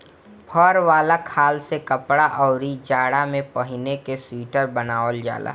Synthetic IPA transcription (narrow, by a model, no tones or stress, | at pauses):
pʰɔɾʋaːlakʰaːlsekəpɽaʔɔːɾid͡ʒaːɽamẽpəɦɪnekesiːʈəɾbənaːʋəld͡ʒa̰ːla̰ː